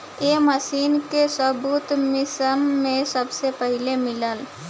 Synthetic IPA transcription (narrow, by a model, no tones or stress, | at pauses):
eməʃiːnkesəbuːt̪mɪsəmːẽsəbsepəɦɪlemɪləl